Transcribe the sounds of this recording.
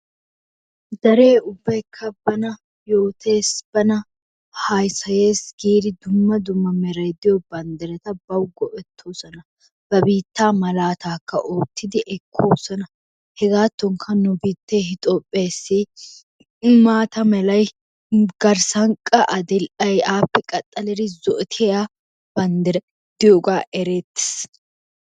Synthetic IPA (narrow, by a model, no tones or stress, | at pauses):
d̪ɐɾe̞ːʊbːɐjkʰːɐbɐnɐ | jo̞ːt̪ʰe̞ːsb̥ɐnɐ | hɐjsɐje̞ːsɡ̥iːɾɪd̪ʊmːɐd̪ʊmːɐmɛɾɐjd̪ɪjɔbɐnd̪ɛɾɛt̪ɐbɐwɡɔʔɛt̪ʰːoːsɔnɐ | b̥ɐbiːt̪ːaːmɐlaːt̪aːkːɐ̰ʔoːt̪ʰːɪd̪ɪʔɛkʰːoːsɔnɐ | hɛzaːt̪ːɔŋkʰɐnʊbiːt̪ːeɦɪt̪ʼoːpʼːeːsːɪ | maːt̪ɐmɛlɐj | ɡɐɾsɐŋkʼɐʔɐd̪ɛlʔɐjaːpːɛkʼɐt̪ʼːɐlɛɾɪzɔʔɛt̪ʰɛja | b̥ɐnd̪ɛɾ | d̪̥ɪjɔɡaːʔɛɾeːt̪ːɪ̥s